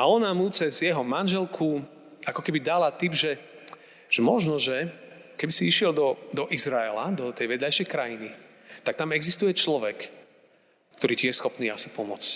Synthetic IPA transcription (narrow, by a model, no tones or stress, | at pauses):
aɔnamut͡sɛzjɛɦɔmanʒɛlkʰu | akɔkɛbid̪alat̪ibʒɛ | ʒ̥ɛmɔʒnɔʒɛkɛbisiiʃɪɛld̪ɔd̪ɔʔizɾaɛla̰d̪ɔt̪ɛjʋɛd̪lajʃɛjkɾajini | t̪ak̚t̪amɛɡzist̪ujɛt͡ʃlɔʋɛk | kt̪ɔɾiːc̪ijɛsxɔpniːasi̥pɔmɔt͡sc